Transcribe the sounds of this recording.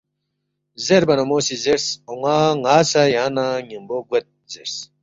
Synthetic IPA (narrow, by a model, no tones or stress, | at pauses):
zeɾbɐnomoːsizeɾsoŋaŋaːsajaːnaŋimboɡwet̪̚zeɾs